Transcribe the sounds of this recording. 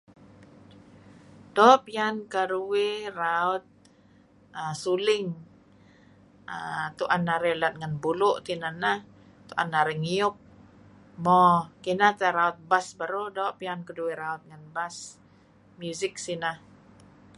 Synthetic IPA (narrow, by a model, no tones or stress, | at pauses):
dɔːʔpiankəɾuweraʊt̪̚ | əsulɪŋ | ət̪uʔanːaɾelat̪̚ŋanbulʊʔt̪inanah | t̪uʔa̰nːaɾɛŋiʊp̚ | mɔkinat̪aɾaʊt̪̚basbaɾodɔʔpiankəduweɾaʊt̪̚ŋanbas | mjuzɪk̚sinah